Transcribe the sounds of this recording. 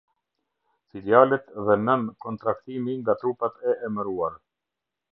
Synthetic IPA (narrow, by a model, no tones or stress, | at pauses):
filjalɛt̪ðɛmɛmkɔnt̪ɾakt̪imiŋɡat̪ɾupat̪ɛɛməɾuaɾ